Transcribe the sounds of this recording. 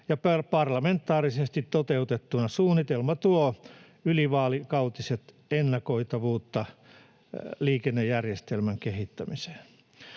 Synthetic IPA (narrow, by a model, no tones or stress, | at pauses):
jɑpɑpɑrlɑment̪ːˑɑːrisest̪it̪tot̪eut̪et̪ːunɑsuːnːit̪elmɑt̪uo | yliʋɑːlikɑut̪iset̪ | enːɑkoit̪ɑʋuːt̪ːɑ | liːkenːejjærjest̪elmæŋkehit̪ːæmise̥ːn